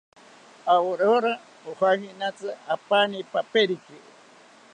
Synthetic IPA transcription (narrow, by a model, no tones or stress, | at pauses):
awoɾoɾa | ohahinat͡sɨapanipapeɾiki